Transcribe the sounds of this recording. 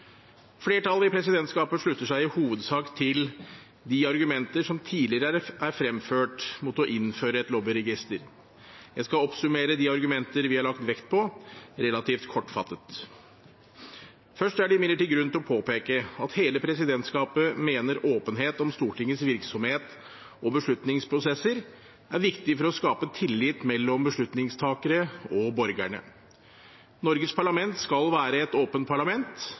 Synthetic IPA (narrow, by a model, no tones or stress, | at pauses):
fleːʈɑlːˠɪpʰɾɛsɪd̪ɛnt̪skɑːpəʂɭʉt̪ːəʂæɪɪhuːʋəd̪sɑːkt̪ʰɪl | d̪iɑɾɡʉmɛnt̪əʂɔmt̪ʰiːlɪɾəʔæɾfɾɛmføːʈmut̪ɔʔɪnføːɾəɛt̪lɔbɪɾɛɡɪst̪əɾ | jæɪskɑɔpsʉmeːɾəd̪iɑɾɡʉmɛnt̪əɾʋɪhɑɭɑkt̪ʋɛkt̪̚pʰɔɾɛlɑt̪ʰiːft̪kʰɔʈːfɑt̪ːət̪ | fœʂʈæɖɛɪmɪlːəʈɪːɡɾʉnt̪ɪlɔpʰoːpeːkəɑt̪heːləpʰɾɛsɪd̪ɛnt̪skɑːpəmeːnəɾoːpənɦeːt̪ɔmst̪uːʈʰɪŋːəsʋɪɾksɔmheːt̪ | ɔbəʂɭʉt̪nɪŋspʰɾʊsɛsːəɾ | æɾʋɪkt̪ɪfɔɾɔskɑːpət̪ʰɪlːɪt̪mɛlːɔmbəʂɭʉt̪nɪŋst̪ʰɑːkəɾəɔbɔɾɡæɳə̰ | nɔɾɡəspʰɑɭɑmɛnt̪skɑlʋæːɾəɛt̪oːpənt̪̚pʰɑɭɑmɛnt̪